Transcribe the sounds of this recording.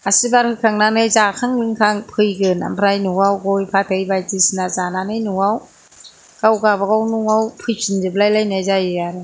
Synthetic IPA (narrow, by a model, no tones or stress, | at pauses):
asibaɾhɯkʰaŋnanɯjzakʰaŋlɯŋkʰaŋpʰɯjɡɯna̰mpʰɾajnuwawɡɔjpʰatʰɯjbajtisinazananɯjnuŋaw | ɡ̥awɡabaɡawnuŋawpʰɯjsʰinzɯblajlajnajzajɯaɾɯ